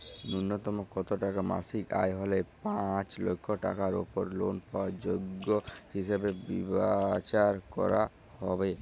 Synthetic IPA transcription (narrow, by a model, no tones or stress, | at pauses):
nunːot̪ɔmokɔt̪oʈakama̰sika̰jɦɔlepãt͡ɕlo̰kʰːoʈa̰kaɾo̰poɾlonpawad͡ʑoɡːohiʃebebibat͡ɕaɾkɔ̰ɾa | hɔbe